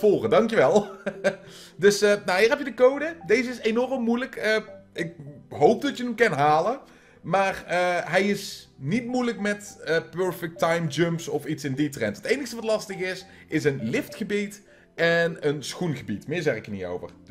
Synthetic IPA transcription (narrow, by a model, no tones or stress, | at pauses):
foːχədɑŋkjəʋɛlˠ | dɵsəːnawɦiːɹɦɛpjədəkowdədejzəɪsenɔrəmːujləkəʔɪk̚ɦowp̚dɑtjənəmkɛnɦaːlə | maːrəɦɛjɪsnitmujləkmɛtəpøːɹfɛk̚tɑjmd͡ʒømpsɔfitsɪnditrɛntətejnəstəʋɑtlɑstəχɪs | ɪsənlɪftχəbit | ɛnənsxunɣəbitmɪːɹzɛχɪkənḭto̰wvə̰r